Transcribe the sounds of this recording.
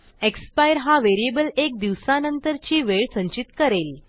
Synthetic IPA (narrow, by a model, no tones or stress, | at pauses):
ekspajɾɦaʋeɾiebəlek̚d̪iʋsanənt̪əɾt͡ɕiːʋeɭsə̃ɲt͡ɕit̪kəɾel